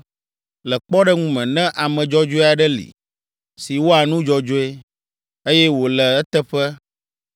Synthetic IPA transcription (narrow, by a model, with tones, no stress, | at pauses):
lə˨k͡pɔ˦ɖɛ˦ŋũ˦mɛ̃˨nɛ̃˦ʔa˨mɛ̃˨d͡ʒɔ˦d͡ʒo˦a˨ɖɛ˦lḭ˨ | si˨wo˦a˨nũ˦d͡ʒɔ˦d͡ʒo˦e˦ | e˦jɛ˦wo˨lɛ˨ɛ˦t̪ɛ˦ɸɛ˦